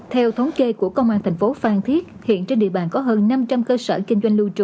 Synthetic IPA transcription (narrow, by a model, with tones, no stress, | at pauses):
t̪ʰɛ˧wt̪ʰə˨˦wŋ͡mke˧ku˧˩əkə˧wŋ͡mʔaː˧nt̪ʰjŋ̟fo˨˦faː˧˩nt̪ʰi˦˥ət̚hḭ˧˨ənt͡ɕe˧nɗḭ˧˨əɓa̰ː˧˨nkɔ˨˦ɦəː˧nːa˧mt͡ɕa˧mkəː˧səː˧˩kï˧ŋ̟zwa˧jŋ̟lu˧t͡ɕṵ˧˩˨